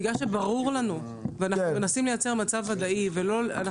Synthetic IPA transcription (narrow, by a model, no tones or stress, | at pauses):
ɡaʃebaʁuʁlanu | veanaumenasimlejat͡se̞ʁmat͡savad̪aivelo̞la̰na